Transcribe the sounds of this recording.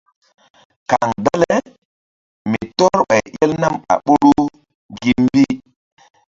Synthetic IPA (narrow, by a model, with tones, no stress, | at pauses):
ka˨ŋda˦le˦ | mi˨tɔ˦ɾɓa˨jʔe˦lna˦ma̰˨ɓo˦lu˦ | ɡi˨mbi˦